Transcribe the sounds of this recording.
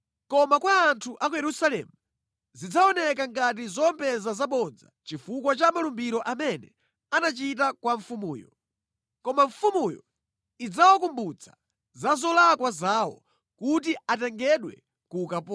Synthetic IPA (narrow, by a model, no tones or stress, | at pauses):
kɔmakwaːntʰuʔak̬ujɛɾusalɛ̰ːmu | zid͡zaɔnɛkaŋɡat̬izɔmpʰɛzazaɓɔd͡za̰t͡ʃifuk̬wat͡ʃamalumbiɾɔʔamɛnɛ | anat͡ʃit̬akwaɱfumuːjɔ | kɔmaɱfumujɔ̰ | id͡zawɔkumbut͡sʰḁ̰ | zazɔlakwazaːwɔ̰ | kutiatɛŋɡɛɗwɛ̰ | kukapɔ